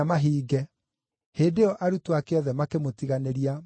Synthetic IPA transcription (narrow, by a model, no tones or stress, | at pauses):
amaɦiːɡɛ | heːndeɔʔaɾutoakeɔðɛmakemotiɣaneɾia